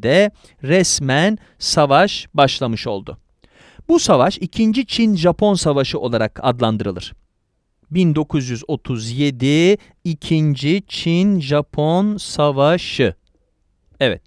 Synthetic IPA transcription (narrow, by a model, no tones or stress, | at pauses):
d̪ɛ | ɾɛsmæn | savaʃbaʃlˠamɯʃo̞̰lˠd̪ʊ̰ | busavaʃicʰind͡ʒit͡ʃʰinʒapʰo̞nsavaʃɯʔo̞lˠaɾakʰa̰d̪lˠand̪ɯɾɯlˠɯ̰ɾ̥ | bind̪o̞kʰuzjyzo̞t̪ʰuzje̞d̪i | icʰind͡ʒit͡ʃʰinʒapʰo̞nsavaʃɯ | ɛvɛ̰t̪̚